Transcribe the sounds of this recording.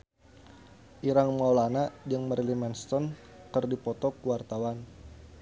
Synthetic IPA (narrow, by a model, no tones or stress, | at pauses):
ʔiɾaŋmaulanad͡ʒəŋməɾilimɛnst̪ɔn | kərdipɔt̪ɔkuwart̪awan